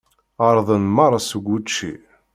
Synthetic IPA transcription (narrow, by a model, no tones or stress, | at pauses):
əɾˤðˤənmɑɾˤɑsəɡʷːut͡ʃːḭ